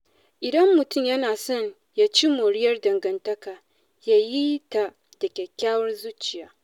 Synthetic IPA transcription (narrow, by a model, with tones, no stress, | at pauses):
ʔɪ˨dɐ˦mːʊ˨tʊ˦˨mjɐ˦naː˨sɔ˦˨ɲ | ja˦t͡ʃi˦moː˨ɽɪ˦jɐ˦rdɐ˨ŋɡɐ˨ntɐ˦kaː˨ | ja˦ji˦ta˨ | d̥ɐ˨kʲeː˨kʲaː˦wɐ˦rzu˦t͡ʃɪ˨jaː˦